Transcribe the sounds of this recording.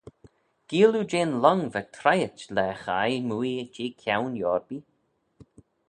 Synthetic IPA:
ɡ̥iːlud͡ʒeːnlɔŋvət̪ʰɾajətlɛxajmuːid͡ʒeːkʰjawnjɔːɹbi

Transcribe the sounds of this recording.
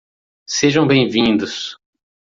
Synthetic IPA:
seʒɐ̃w̃bẽj̃vĩd̪ʊs

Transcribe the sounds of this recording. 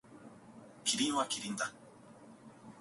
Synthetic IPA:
kʰiɾiwakiɾind̪a

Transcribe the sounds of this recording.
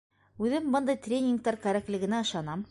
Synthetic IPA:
ʉðɘmbɤnd̪ɤjt̪rʲenʲɪŋk̚t̪ɑɾkæɾæklɘ̆ɡɘ̆næɤ̆ʃɑnɑm

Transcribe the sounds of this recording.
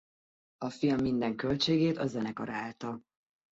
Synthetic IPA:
ɒfilmːind̪ɛŋkø̞lt͡ʃeːɡeːt̪ɒzɛnɛkɒɾaːlt̪ɒ

